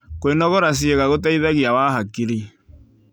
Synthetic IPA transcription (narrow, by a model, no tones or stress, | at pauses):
koenɔɣoɾas̬ieɣaɣot̬ɛiðɛɣiawaːɦakiɾi